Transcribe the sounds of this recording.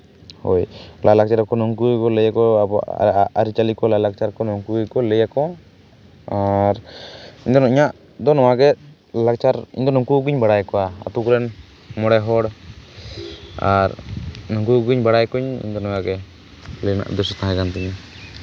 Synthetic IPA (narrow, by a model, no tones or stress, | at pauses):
ho̰jlalak̚t͡ʃaɾakɔnɔŋkujkɔləjakɔ̰ | aɾit͡ʃalikɔlalak̚t͡ʃaɾkɔnɔŋkujkɔləjakɔ | aɾiɲd̪ɔnɔiɲaʔ | d̪ɔnɔwaɡɛ | lak̚t͡ʃaɾḭɲd̪ɔnɔŋkuɡiɲbaɽajkɔwaa̰t̪ukɾɛn | mɔɽɛɦɔɽ | a̰ɾnɔŋkuɡiɲbaɽajkuɲḭɲd̪ɔnɔwaɡɛ | ləna̰ʔd̪ɔsɔt̪aɦakant̪ɛɲ